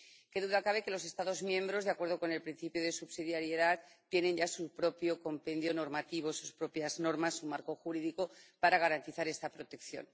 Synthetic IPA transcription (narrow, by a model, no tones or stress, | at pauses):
ke̞ðuðakaβ̞e̞ke̞lose̞st̪aðo̞zmjẽ̞mbɾo̞zðeakwe̞ɾð̞o̞ko̞ne̞lpɾin̟θipjoðe̞suβsiðjaɾjeðat̪t̪ːje̞nẽ̞ɲʝasupɾo̞pjo̞ko̞mpe̞nd̪jo̞no̞ɾmat̪iβ̞o̞suspɾo̞pjazno̞ɾmasːumaɾko̞xuɾiðiko̞paɾaɣaɾant̪iθaɾe̞st̪apɾo̞t̪e̞kθjo̞̰n